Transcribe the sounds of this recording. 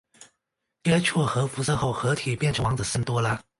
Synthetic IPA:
t͡ɕjɛ˥t͡ɕʰɔ˥˩xɤ˧˥fu˧˥sə˥˧xo˥˩ʊxɤ˧˥t̪ʰi˨˩pjɛ˥˩nʈ͡ʂʰə˧˥ŋwɑ˧˥ŋt͡sə˨˩sə˥˩nt̪wɔ˥lə˧

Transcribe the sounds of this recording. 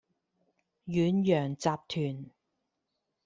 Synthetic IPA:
jyː˨˥njœː˨˩ŋt͡saː˧p̚t̪ʰyː˨˩n

